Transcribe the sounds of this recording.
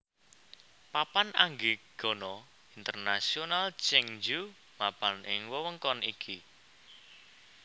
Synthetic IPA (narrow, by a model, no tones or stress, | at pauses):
papana̰ŋɡiɡ̥ɔ̤nɔ | int̪ərnasionalt͡ʃɛŋd͡ʒu | mab̥anʔɪŋwəwəŋkɔnʔikʰi